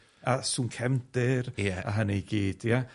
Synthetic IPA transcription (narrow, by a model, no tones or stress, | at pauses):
asuːnkʰɛmd̥ɨrɛaɦanejɡ̥eːd̥ja